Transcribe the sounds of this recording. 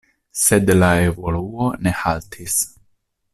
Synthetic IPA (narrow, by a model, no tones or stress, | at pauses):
se̞dlae̞vo̞luo̞ne̞haltʰis